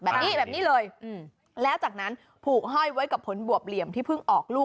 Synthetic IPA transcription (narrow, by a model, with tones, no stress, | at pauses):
bɛː˨˩niː˦˥˩bɛː˨˩niː˦˥˩lɤː˧jʔɯ˨˩ | lɛː˦˥wt͡ɕaː˨˩k̚na˦˥n | pʰuː˨˩k̚ɦɔ˥˩jwa˦˥jka˨˩pʰːo˩˦nbu˨˩əp̚li˨˩əmt̪ʰiː˥˩pʰɯ˥˩ŋʔɔː˨˩k̚luː˥˩